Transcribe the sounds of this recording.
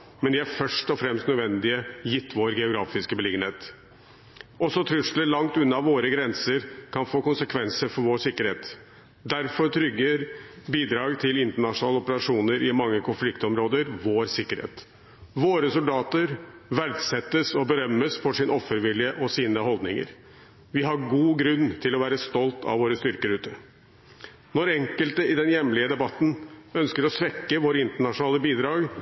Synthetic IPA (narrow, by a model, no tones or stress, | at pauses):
mɛnd̪ɪæɾfœʂʈɔfɾɛmst̪nœd̪ʋɛnd̪ɪəjɪt̪ʰːʋoːɾɡɛʊɡɾɑːfɪskəbəlɪɡənheːt̪ | ɔsːɔt̪ʰɾʉʂləlɑŋt̪ʉnːɑʋoːɾəɡɾɛnsəɾkʰɑnfoːkʊnsəkʰʋɛnsəɾfɔɾʋoːɾsɪkːəɾheːt̪ | d̪æɾfɔɾt̪ʰɾʏɡːəɾbiːd̪ɾɑːɡt̪ʰɪlɪnt̪əɳɑʂʊnɑːləɔpəɾɑʂuːnəɾɪmɑŋːəkʰʊnflɪkt̪ɔmɾoːd̪əɾʋoːɾsɪkːəɾhḛːt̪ | ʋoːɾəsʊld̪ɑːt̪əɾʋæɾd̪sɛt̪ːəsɔbəɾœmːəsfɔʂɪnɔfːəɾʋɪljəʔɔsiːnəɦɔld̪nɪŋə̰ɾ | ʋɪɦɑɾɡuːɡɾʉnːt̪ʰɪlɔʋæːɾəst̪ɔlt̪ʰɑ̰ʋʋoːɾəst̪ʏɾkəɾʉːt̪ə | nɔɾɛŋkəlt̪əɪd̪ɛnjɛmlɪəd̪ɛbɑt̪ːn̩œnskəɾɔsʋɛkːəʋoːɾəɪnt̪əɳɑʂʊnɑːləbiːd̪ɾɑːɡ